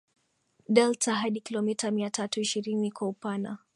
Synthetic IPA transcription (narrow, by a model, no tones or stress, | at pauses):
ɗɛltaɦaɗikilɔmitamiatatuiʃiɾinikwaupana̰